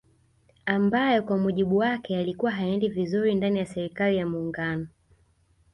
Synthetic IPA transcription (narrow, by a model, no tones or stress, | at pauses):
ambajɔkwamuʄiɓuwakɛalikuwaɦaɛndivizuɾindanijasɛɾikalijamuːŋɡanɔ